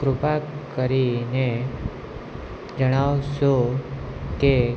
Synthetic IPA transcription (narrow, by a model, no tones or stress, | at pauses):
ɡɾʊpakəɾine | d͡ʒəɽ̃aʋʃo | ke